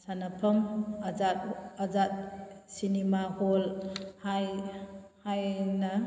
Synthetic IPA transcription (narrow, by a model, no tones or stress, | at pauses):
sanapʰɐmad͡ʒat̚ɐzat̚sinimaholhaj | hajna